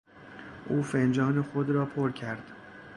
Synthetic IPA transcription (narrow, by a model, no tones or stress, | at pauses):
ʔuːfend͡ʒɒːnexod̪ɾɒːpʰoɾcʰæɾd̪̥